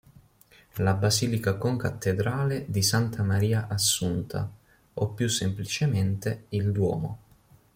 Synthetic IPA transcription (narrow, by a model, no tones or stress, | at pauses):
labaziːlikakoŋkat̪ːed̪ɾaːled̪isant̪ʰamaɾiːaʔasːunt̪ʰa̰ | ɔpːjusːemplit͡ʃement̪eild̪wɔ̰ːmo̰